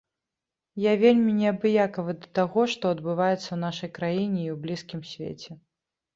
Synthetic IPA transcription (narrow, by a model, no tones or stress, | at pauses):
javʲelʲmʲinʲɛɐbɨjakɐvɨd̪ɐt̪aɣɔʂt̪ɔɐd̪bɨvajɛt̪sːɐwnaʂɐjkɾajinʲɛiwblʲiskʲimsʲvʲḛt͡sʲɛ